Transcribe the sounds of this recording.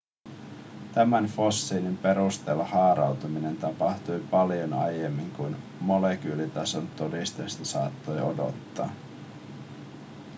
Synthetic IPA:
t̪æmænfo̞sːiːnimpe̞ɾust̪e̞lːɑhɑːɾɑwt̪umine̞nt̪ɑpɑht̪ujpɑljo̞nɑ̰je̞mːiŋkujn | mo̞lek̟yːlit̪ɑso̞nt̪o̞dist̪est̪ɑsɑːt̪ːo̞jo̞do̞̰t̪ːɑ̰ː

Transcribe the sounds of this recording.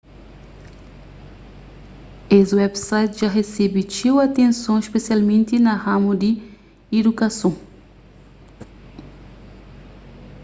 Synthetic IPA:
eswɛbsajt̪ʒaɦesɛbit͡ʃiwat̪ẽnsõispesialmẽnt̪inɐhãmud̪i | id̪ukasõ

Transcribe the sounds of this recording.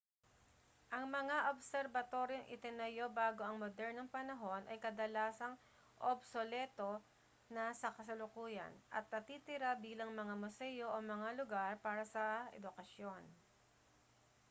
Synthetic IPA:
ʔɐŋmɐŋaʔobsɛɾbɐt̪o̞ːɾjoŋʔɪ̰t̪ɪnɐjo̞baːɡo̞ɐŋmod̪ɛɾnoŋpɐnɐɦo̞nʔɐ̰jkɐd̪ɐlaːsɐŋ | ʔobsolɛːt̪o̞ | nɐsɐkɐs̬ɐlʊkuːjɐ̰nʔɐ̰t̪̚nɐt̪iːt̪ɪɾabiːlɐŋmɐŋamʊsɛːjo̞ʔomɐŋalʊɡaɾpaːɾɐsɐʔɛ̰d̪ʊkɐsjon

